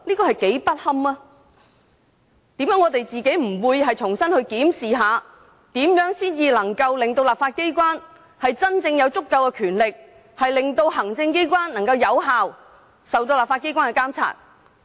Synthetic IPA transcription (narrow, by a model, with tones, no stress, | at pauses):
liː˥kɔː˧hɐ˨jke˨˥jpɐ˥t̚hɐ˥maː˥ | t̪iː˨˥mjœː˨˥ŋːɔː˨˧t̪e˨jt͡siː˨ke˨˥jm̩˨˩wuː˨˧jɦɐ˨jt͡sʰʊ˨˩ŋsɐ˥nhɵ˧ɥkiː˨˥msiː˨ɦaː˨˧ | t̪iː˨˥mjœː˨˥ŋsiː˥njiː˨˧lɐ˨˩ŋkɐ˧wlɪ˨ŋt̪o˧wlaː˨p̚faː˧t̚ke˥jkʷwaː˥n | hɐ˨jt͡sɐ˥nt͡sɪ˧ŋjɐ˨˧wt͡sʊ˥kːɐ˧wkɛ˧kʰyː˨˩nlɪ˨k̚ | hɐ˨jlɪ˨ŋt̪o˧wɦɐ˨˩ŋt͡sɪ˧ŋke˥jkʷaː˥nlɐ˨˩ŋkɐ˧wjɐ˨˧wɦaː˨w | sɐ˨wt̪o˧wlaː˨p̚faː˧t̚ke˥jkaː˥ŋkɛː˧kaː˥mt͡sʰa̰ː˧˥t̚